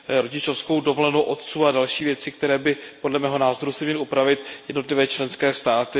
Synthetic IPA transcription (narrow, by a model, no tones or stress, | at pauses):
ɾoɟɪt͡ʃo̞fskowdo̞volɛnowʔo̞t̪t͡suːadalʃiːvjɛt͡sɪk̚t̪ɛɾɛːbɪpo̞dlɛmɛːɦo̞naːzo̞ɾusɪmɲɛlɪupɾavɪt̪jɛdnot̪lɪvɛːt͡ʃlɛnskɛːst̪aːt̪ɪ